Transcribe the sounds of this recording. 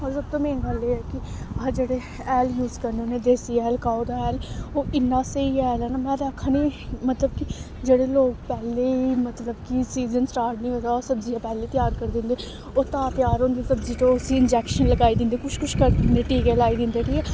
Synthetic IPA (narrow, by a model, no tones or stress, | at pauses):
ɔːɾsəb̚t̪õːmɛ̃ːɡəlːeːɛːkɪ | ad͡ʒeːɽeː | ɛːljuːzkəɾneonẽːd̪eːsiːɛːlkaːod̪aɛːloːʔɪnːãːseiːɛːlɛːnaːmɛ̃ːɾaːkʰːniːmət̪ləb̚kɪ | d͡ʒeːɽeːloːɡpɛːleːiːmət̪ləbkisiːzənsʈaːɾʈnĩːɦõːd̪aːoːsəbziːaːpɛːleːiːt̪ɪjaːɾkəɾd̪ɪ̃nd̪eː | oːt̪ãːp̪ɪjaːɾõːnd̪eːsəbziːt̪oʊsiːɪnd͡ʒɛːkʃənləɡaːiːd̪ɪ̃nd̪eːkʊʃkʊʃkəɾd̪neːʈiːkeːlaːiːd̪ɪ̃nd̪eːʈiːkɛː